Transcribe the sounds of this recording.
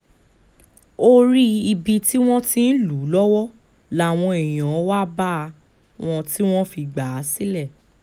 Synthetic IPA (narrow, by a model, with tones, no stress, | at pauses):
o˦ɾi˦i˧bi˧ti˦w̃ɔ̃˦tĩ˧˦n̩˦lu˨˦lɔ˦wɔ˦ | la˦˨w̃ɔ̃˧e˨j̃ã˨ɔ˦wa˦ba˦˧ | w̃ɔ̃˧ti˦w̃ɔ̃˦fi˧ɡ͡ba˨˦si˦lɛ˦˨